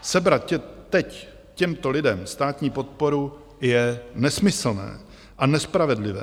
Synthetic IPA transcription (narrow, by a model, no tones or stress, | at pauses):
sɛbɾat̪̚cɛt̪ɛc | cɛmt̪o̞lɪdɛmst̪aːt̪ɲiːpot̪̚po̞ɾu | jɛnɛsmɪsl̩nɛ̰ː | ʔanɛspɾavɛdlɪvɛ̰ː